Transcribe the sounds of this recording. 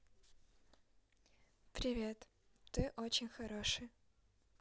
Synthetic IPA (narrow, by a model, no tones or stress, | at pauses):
pɾʲɪvʲet̪ | t̪ɨʔot͡ɕɪnʲxɐɾoʂɨj